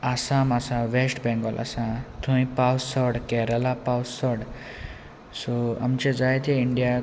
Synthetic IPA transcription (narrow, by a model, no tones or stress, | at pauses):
asamasãʋesʈbɛ̃ŋɡɔlʔa̰sãt̪ʰũĩpawsɔɽkɛɾəlapawsɔɽ | sɔa̰mt͡ɕẽd͡zajt̪eiɳɖija